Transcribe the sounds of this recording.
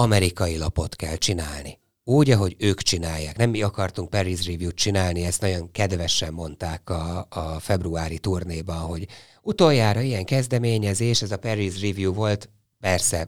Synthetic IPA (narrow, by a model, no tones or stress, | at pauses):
ɒmɛɾikɒjilɒpo̞t̪kɛlt͡ʃinaːlni | uːɟɒɦo̞ɟøːkt͡ʃinaːjːaːknɛmːiɒkɒrt̪uŋk̚pɛɾizrivjuːt̪t͡ʃinaːlniɛst̪nɒɟoŋkɛd̪vɛʃɛmːo̞nt̪aːkɒːfɛbruaːɾit̪urneːbɒnɦo̞ɟ | ut̪o̞jːaːɾɒijɛŋkɛzd̪ɛmeːɲɛzeːʃɛzɒpɛrizrivjuːvo̞lt̪ | pɛrsɛ